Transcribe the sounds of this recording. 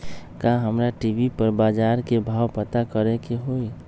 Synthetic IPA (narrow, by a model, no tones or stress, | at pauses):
kaɦəmɾaʈibipəɾbaːd͡ʒaːɾkebʱaːwpət̪akəɾekeɦoi